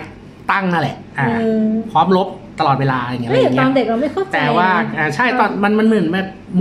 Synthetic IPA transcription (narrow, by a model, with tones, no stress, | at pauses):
t̪a˥˩ŋnaː˥˩lɛ̰˨˩ʔʔaː˨˩˧pʰɔː˦˥mlo˦˥p̚ | t̪a˧lɔː˨˩t̪̚weː˧laː˧˨ŋi˦˥˧ŋ˦ɔː˥˧mde˨˩k̚la˧wma˥˩jkʰo˥˩t̪ɛaː˧˨˩waː˥˩ʔaː˧˩t͡ɕʰa˥˩jt̪ɔː˧˩nma˧nma˧nmɯ˨˩˦ə˦nmɛː˥˩p̚ | m